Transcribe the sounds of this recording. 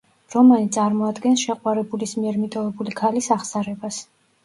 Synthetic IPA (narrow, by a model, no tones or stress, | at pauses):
ɾɔmanit̪sʼaɾmɔad̪ɡɛnsʃɛqʼwaɾɛbulismiɛɾmit̪ʼɔvɛbulikʰalisaχsaɾɛbas